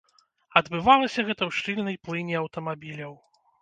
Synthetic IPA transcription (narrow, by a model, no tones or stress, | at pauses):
ɐd̪bɨvalˠɐsʲɐɣɛt̪ɐwʂt͡ʂɨlʲnɐjplˠɨnʲiɐwt̪ɐmabʲilʲɐw